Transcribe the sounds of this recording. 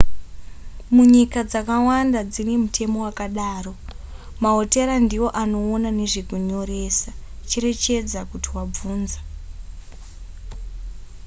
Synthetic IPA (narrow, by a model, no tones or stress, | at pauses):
muɲikad͡zakawandad͡zine̞mutʰe̞mo̞wakaɗaːro̞ | maɦo̞te̞ɾandiwo̞ʔano̞ːnane̞ʐekuɲo̞ɾeːsat͡ʃe̞ɾe̞t͡ʃe̞d͡zakutiwab͡vuːnza